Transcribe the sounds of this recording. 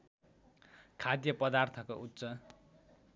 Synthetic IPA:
kʰad̪jʌpʌd̪art̪ʰʌkoʔutːsʌ

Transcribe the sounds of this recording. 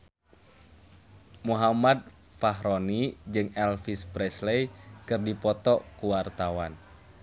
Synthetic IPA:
muɦamad̚ | faɦɾɔnid͡ʒɨŋɛlfispɾɛslejkɨrdipɔt̪ɔkuwart̪awan

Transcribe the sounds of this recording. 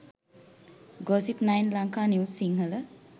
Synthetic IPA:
ɡɔsipnajnlaŋkaniwsiŋɦələ

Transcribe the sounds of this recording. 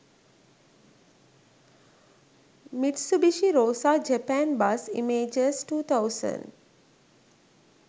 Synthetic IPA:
miʈsubiʃiɾoːsaːd͡ʒəpænbasḭmeːd͡ʒəsʈuːt̪ʰawsə̰̃n

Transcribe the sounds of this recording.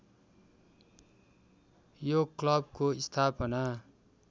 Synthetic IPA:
joklʌbkoist̪ʰapʌna

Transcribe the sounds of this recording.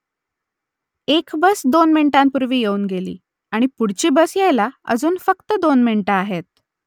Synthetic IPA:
ekbəsd̪onmiɳʈãmpuɾʋiːjeuːnɡelḭː | aɽ̃ipuɽt͡ɕiːbəsjajlaə̰d͡zuːnfəkt̪əd̪onminʈaaɦet̪̚

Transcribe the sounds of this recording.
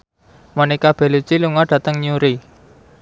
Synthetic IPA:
manikab̥e̤lu̥t͡ʃiluŋaɖ̥ä̤t̪əŋɲuɾi

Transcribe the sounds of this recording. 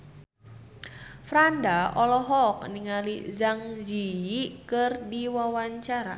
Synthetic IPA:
fɾandaɔlɔɦɔk̚niŋalizaŋd͡ʒiikərdiwawaɲt͡ʃaɾa̰

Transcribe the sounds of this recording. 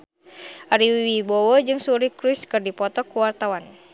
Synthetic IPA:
ʔaɾiwiwibowod͡ʒɨŋsuɾikɾuskɨrdipɔt̪ɔkuwart̪awan

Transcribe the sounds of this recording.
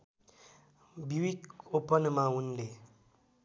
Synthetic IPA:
biwikopənmaunle

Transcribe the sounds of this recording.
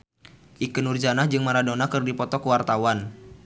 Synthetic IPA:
ʔikənurd͡ʒanahd͡ʒɨŋmaɾadonakɨrdipɔt̪ɔkəwart̪awan

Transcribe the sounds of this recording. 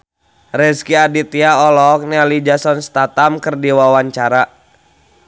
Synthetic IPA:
rɛskiadit̪iaɔlɔk̚nɛlid͡ʒasɔnst̪at̪amkərdiwawaɲt͡ʃaɾa

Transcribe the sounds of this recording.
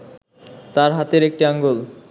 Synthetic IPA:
t̪aɾɦat̪eɾek̚ʈiaŋɡol

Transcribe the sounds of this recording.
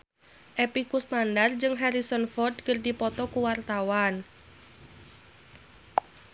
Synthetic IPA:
ʔepikusnandard͡ʒɨŋɦaɾisɔnfɔrd̚kərdipɔt̪ɔkuwart̪awan

